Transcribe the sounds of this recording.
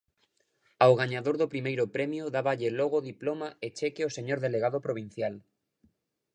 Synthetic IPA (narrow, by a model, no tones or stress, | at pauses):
awɣaɲaðoɾðopɾimejɾopɾɛmjoðaβaʎeloɣ̞oðiplomaet͡ʃɛkeoseɲoɾðeleɣ̞aðopɾoβ̞in̟θjal